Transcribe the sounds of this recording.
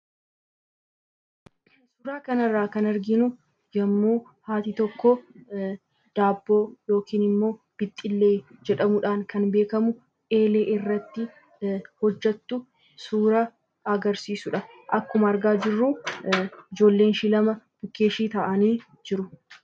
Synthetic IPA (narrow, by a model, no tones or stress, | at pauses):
suːɾaːkɐnɐrːaːkɐnɐɾɡɪnʊ | jɐmːuː | haːt̪it̪ɔkːɔ | d̪̥aːbːo̞ːjo̞ːkiːnɪmːo̞ː | b̥ɪt̪ʼːɪlːe̞ːd͡ʒɛᶑɐmʊᶑaːŋkɐnbe̞ːkɐmʊ | e̞ːle̞ːʔɪrːɐt̪ːɪ | hɔd͡ʒːɛt̪ːʊ | suːɾɐ | ɐɡɐɾsiːsʊᶑɐʔɐkːʊmɐɐɾɡaːd͡ʒɪrːuː | ɪd͡ʒo̞ːlːe̞ːnʃilɐmɐb̥ʊkːe̞ːʃiːt̪ɐʔɐniː | d͡ʒɪɾʊ